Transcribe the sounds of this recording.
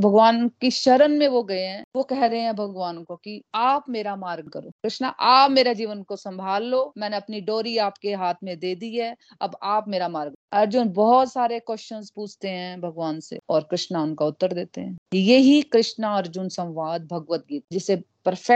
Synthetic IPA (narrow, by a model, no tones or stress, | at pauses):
bʱɐɡʋaːnkiʃɐɾənmẽʋoɡɐeɦɛ̃ːʋokɛɦɾɐɦeɦɛ̃bʱɐɡʋaːnkokiaːpmeːɾamaːɾɡ̚kɐɾo̰ːkɾɪʃnaʔaːpmeːɾad͡ʒiːʋənkosɐ̃mbʱaːlːoːmɛ̃ːneɐpniɖoːɾiaːpkeɦaːt̪ʰmẽd̪eːd̪iɦɛ | ɐbaːpmeːɾamaːɾɡɐɾd͡ʒʊnbɔɦɔt̪saːɾekwɛʃənzpuːt͡ʃʰt̪eɦɛ̃bʱɐɡʋaːnsḛɔːɾkɾɪʃnaʊnkaʊt̪ːəɾd̪eːt̪eɦɛ̃ːijeɦikɾɪʃnaɐɾd͡ʒʊnsɐ̃wʋaːd̪̚bʱɐɡʋət̪̚ɡiːt̪d͡ʒɪse | pɐɾfʰɛ